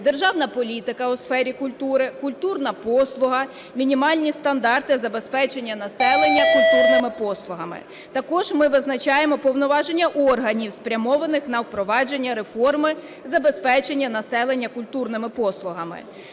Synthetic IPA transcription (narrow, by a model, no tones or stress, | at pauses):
d̪erʒɑwnɐpɔlʲit̪ɪkɐʊsfɛɾʲikʊlʲt̪uɾɪkʊlʲt̪urnɐpɔslˠʊɦɐ | mʲinʲimɑlʲnʲist̪ɐnd̪ɑrt̪ɪzɐbe̞spɛt͡ʃenʲːɐnɐsɛlˠenʲːɐkʊlʲt̪urnɪmɪpɔslˠʊɦɐmɪ̰ | t̪ɐkɔʒmɪʋɪznɐt͡ʃɑjemɔpɔwnɔʋɑʒenʲːɐʔɔrɦɐnʲiwspɾʲɐmɔʋɐnɪxnɐwpɾɔʋɑd͡ʒe̞nʲːɐɾefɔrmɪ | zɐbespɛt͡ʃe̞nʲːɐnɐsɛlˠenʲːɐkʊlʲt̪urnɪmɪpɔslˠʊɦɐmɪ̰